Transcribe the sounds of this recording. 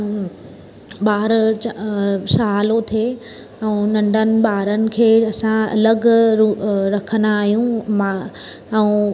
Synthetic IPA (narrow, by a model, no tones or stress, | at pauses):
ɓaːɾt͡ɕasaɦaːlot̪ʰieː | ɛ̃ũnɐ̃ɳɖʱənɪ̆ɓaːɾənɪ̆kʰeːɐsãɐ̰ləɡɾuɾɐkʰənaːɦijũma | ɛ̃ũ